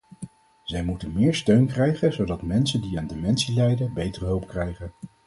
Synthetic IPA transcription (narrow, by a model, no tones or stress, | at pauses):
z̥ɛjmutənmɪːɹstøɥnkrɛjχənzowdɑtmɛnsəndiaːndemɛnsilɛjdəbejtərəɦɵlˠpkrɛjχən